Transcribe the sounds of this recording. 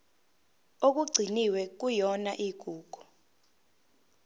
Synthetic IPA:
ok̬uɡ͡ǀʱiniwɛk̬ujɔnaʔiɡ̥ʱuːɡ̥ʱu̥

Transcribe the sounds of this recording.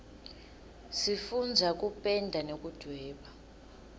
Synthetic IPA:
sifund͡zʱak̬ʼupʼɛndʱanok̬ʼud̥ʱwɛːɓa

